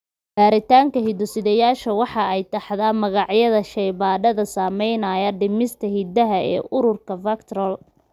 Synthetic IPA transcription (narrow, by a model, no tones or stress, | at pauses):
ɡaːɾɪt̪ʰaːŋkʰɐɦid̪ʊsɪðɛjaːʃɐwɑħɑɛjt̪ʰɐħðaːmɐɣɑʕjɐðɐʃɛjβaːɖɐðɐsaːmɛjnɐjɐɖɪmɪst̪ʰɐhid̪ɐɦɐɛ̰ːʔʊɾʊrkʰɐfɐkt̪ʰɾɔl